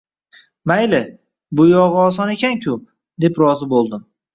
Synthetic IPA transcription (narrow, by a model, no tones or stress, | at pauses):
majlɪ | bʊjɒʁɒs̬ɒne̞kʲankʲʰʊ | d̪e̞pɾɒzɪbolˠd̪ɪm